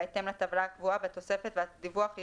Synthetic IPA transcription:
et̪emlat̪avlakvuavet̪o̞se̞fet̪vead̪ivuaχ

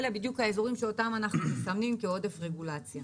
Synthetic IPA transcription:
lebid̪jukhaezo̞ʁimʃeotamanaχnusamnimkeo̞de̞fʁe̞ɡulat͡sja

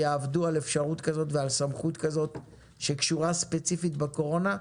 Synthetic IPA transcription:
jaːvduale̞fʃaʁutkazo̞tvealsamχutkazo̞t | ʃekʃuʁaspe̞t͡sifitbeko̞ʁo̞na

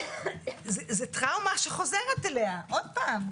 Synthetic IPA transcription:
zezet̪ʁaumaʃeχo̞zeʁet̪eleaʔod̪̚paːm

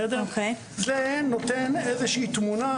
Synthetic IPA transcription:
ɛd̪okʰej | zenot̪enezeʃiiːt̪muna

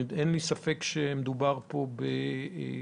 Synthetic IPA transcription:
d̪enlisafekʃemed̪ubaʁpo̞be

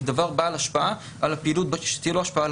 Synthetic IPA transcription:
d̪avaʁbaalaʃpaa | ʔalapiːlut̪̚baʃe̥t̪ijeloaʃpaʔal

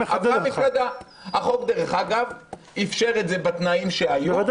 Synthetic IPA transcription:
avamiflad̪a | haχo̞kd̪eʁeχaɡav | ifʃe̞ʁetzebat̪naimʃeaju

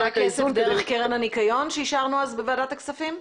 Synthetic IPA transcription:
kesvd̪eʁeχkeʁenhanikajo̞nʃeiʃaʁnuazbeveadat̪aksafim

